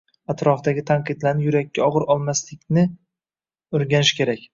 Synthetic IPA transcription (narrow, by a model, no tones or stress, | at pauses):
at̪ɾɒfd̪aɡʲɪt̪ʰaɴqɨd̪laɾnɪjʊɾakʲʰːaɒʁɨɾɒlˠmaslɪkʲnɪ | oɾɡʲanɪʃkʲʰe̞ɾakʲ